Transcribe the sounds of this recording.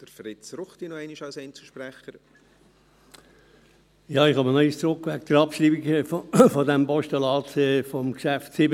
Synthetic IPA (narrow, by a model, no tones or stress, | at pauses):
d̪̥əɾfɾɪt͡sɾʊχt̪inɔɛɪniʃɑlsɛɪnt͡səʃpɾɛχəɾ | jɑːɪχɑmənɔist͡sɾʊkːʋæk̚d̥̪əɾɑpʃɾiːbikfɔd̪æmpɔʃt̪əlɑːtɛfɔmkʃæftsɪb